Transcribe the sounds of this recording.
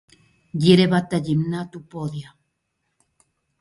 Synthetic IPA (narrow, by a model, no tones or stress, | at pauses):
jiɾeβat̪ajimnat̪upoðja